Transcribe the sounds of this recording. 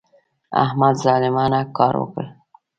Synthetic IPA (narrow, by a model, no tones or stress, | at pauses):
a̰hmad̪zɑlɪmɑnakɑɾwə̰kəl